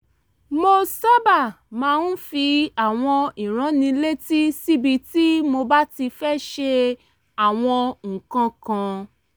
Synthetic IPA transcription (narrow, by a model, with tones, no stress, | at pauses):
mo˧sa˦ba˦˨ | mãː˧n̩˦fi˧a˦˨w̃ɔ̃˧i˨ɾ̃ã˨˦nĩ˧le˦ti˦si˦bi˧ti˦mo˧ba˦ti˧fɛ˦ʃe˧ | a˦˨w̃ɔ̃˧ŋ̩˨kã˧kã˧